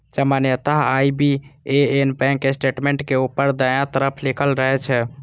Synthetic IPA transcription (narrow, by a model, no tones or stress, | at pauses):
d͡ʒəmanjət̪aɦaibieenpɛ̃kːesʈeʈmẽɳʈkeupəɾd̪əjãt̪əɾəpʰlikʰəlɾəɦɛt͡ʃʰɛ